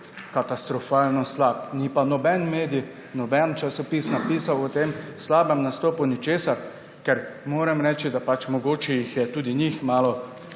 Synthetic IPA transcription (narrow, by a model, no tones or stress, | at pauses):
kat̪ast̪ɾɔfaːlnɔslap̚nipanɔbɛnmeːd̪i | nɔbɛnt͡ʃasɔpiːsnapiːsawɔt̪emslaːbɛmnast̪oːpunit͡ʃeːsaɾ | kɛɾmoːɾɛmɾɛːt͡ʃid̪apat͡ʃmɔɡoːt͡ʃɛjixjɛt̪uːd̪inixmaːlɔ